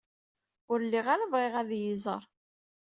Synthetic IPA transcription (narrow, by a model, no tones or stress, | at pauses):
ʊɾlːiʁaɾəvʁeʁæðjizˤə̰ɾˤ